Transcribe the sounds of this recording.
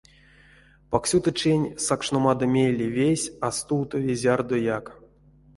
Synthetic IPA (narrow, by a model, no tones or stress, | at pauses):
paksʲut̪ət͡ʃenʲsakʂnomad̪ɐmʲejlʲːivʲesʲast̪uwt̪ovʲezʲard̪ojak